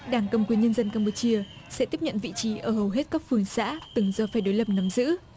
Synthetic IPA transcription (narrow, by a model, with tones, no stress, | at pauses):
ɗaː˧˩ŋkə˨˩mkwi˨˩ənɲə˧nzə˧nkaː˧mpu˨˧˩t͡ɕi˧əsɛ̰˧˥t̪i˦˥p̚ɲə̰˧˨nvḭ˧˨t͡ɕi˨˦ʔəː˧˩hə˨˩wɦe˦˥t̚kaː˦˥k̚fɨ˧˩əŋsa̰ː˧˥t̪ɨ˨˩ŋzɔ˨˩faː˧˩jɗo˨˦jlə˨˩p̚nə˨˦mzɨ̰˧˥